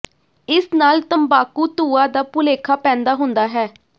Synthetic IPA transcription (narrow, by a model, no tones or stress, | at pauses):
ɪsnaːlt̪əmbaːkuːt̪uːaːd̪aːpʊleːkʰaːpɛ̃ːnd̪aːɦʊnd̪aːɦɛː